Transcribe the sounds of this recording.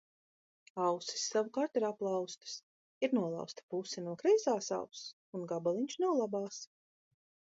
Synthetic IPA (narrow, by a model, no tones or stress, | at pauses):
awsi̥sːavukaːɾt̪iɾaplˠɑwst̪ɨ̥s | iɾnuɔlˠa̰wst̪ḁpusɛnuɔkɾɛjzaːsa̰ws | unɡabalˠiɲʲt͡ʃnawlˠabaːs